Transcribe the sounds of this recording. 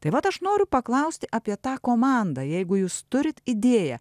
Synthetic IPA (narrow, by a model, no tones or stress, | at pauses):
t̪ɐɪʋɐt̪ɐʃnoːɾʲʊpɐklˠɐʊsʲt̪ʲɪʔɑpʲiɛt̪ɑːkoːmɑːnd̪ɑːjɛɪɡʊjuːst̪ʊɾʲɪt̪ɪd̪ʲeːjɛ